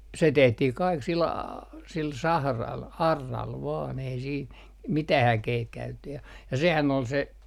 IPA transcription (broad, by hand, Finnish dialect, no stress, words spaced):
se tehtih kɑik sil ɑ sil sɑhrɑl ɑrːɑl ʋɑːn ei siːn mitæh ækeit kæytetːy jɑ jɑ sehæn ol se